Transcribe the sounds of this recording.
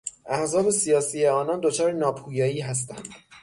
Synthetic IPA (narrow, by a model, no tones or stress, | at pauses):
ʔæhzɒːbe̞sijɒːsiːjeɒːnɒnd̪o̞t͡ʃʰɒːɾenɒːpʰuːjɒːjiːɦæs̬t̪æ̰nd̪̥